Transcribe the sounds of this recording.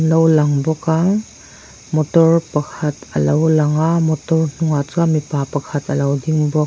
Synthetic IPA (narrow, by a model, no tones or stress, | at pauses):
lawlaŋbɔkaŋ | mɔtɔɾpɐkʰɐtɐ̰lawlaŋamɔtɔɾn̥uŋat͡ʃamipapɐkʰɐtʰɐlawdiŋbɔ